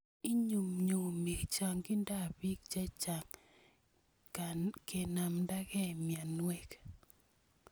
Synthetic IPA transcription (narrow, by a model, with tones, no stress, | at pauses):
i˦ɲu˨mɲo˨mi˨kt͡ʃa˨ŋkɪ˦nda˦˨bi˦k̚t͡ʃɛ˦t͡ʃa˨ŋ | ke˨na˨mda˦kɛ˦˨mja˨nwe˦k